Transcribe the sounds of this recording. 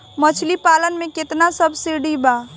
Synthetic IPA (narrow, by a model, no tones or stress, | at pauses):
mət͡ʃʰlipaːlənmẽkɪt̪nasəbʱsiɖiba